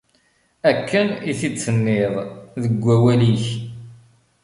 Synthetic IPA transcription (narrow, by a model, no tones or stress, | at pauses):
ækʰːəniθit͡sːənːɪðˤðəɡʷːæwæliç